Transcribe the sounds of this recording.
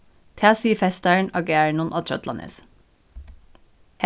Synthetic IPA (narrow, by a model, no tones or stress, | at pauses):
t̪ʰæːsiːfɛst̪æɳɑɡeːɹəɳunʔɑt̪ʰɹœ̰t̪lɑnʔə̰s | h